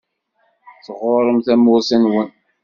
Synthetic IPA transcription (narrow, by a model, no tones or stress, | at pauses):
θʁʊɾˤəmθæmʊɾsænwən